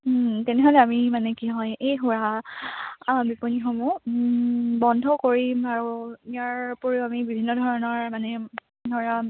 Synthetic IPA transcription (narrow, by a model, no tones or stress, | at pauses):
tɛnɛɦɔlɛamimanɛkiɦɔjejɦuɹa | biponixɔmu | bɔndʱɔkoɹimaɹuijaɹpoɹiʊamibibʱinːɔdʱɔɹɔnɔɹmanɛ | dɔɹa